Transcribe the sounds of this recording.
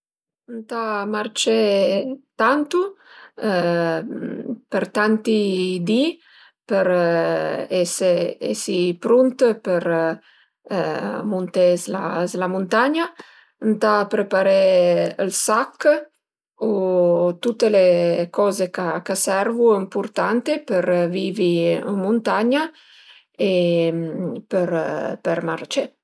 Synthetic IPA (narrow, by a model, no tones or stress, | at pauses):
ənt̪amart͡ʃe | t̪ant̪u | pəɾt̪ant̪id̪i | pəɾ | eseḛsipɾunt̪pəɾ | munt̪ezlazlamunt̪aɲa | nt̪apɾepaɾeəlsakː | ot̪ut̪ːelekɔzekakasɛɾvuimpuɾt̪ant̪epəɾviviəmunt̪aɲa | e | pəɾpəɾmart͡ʃe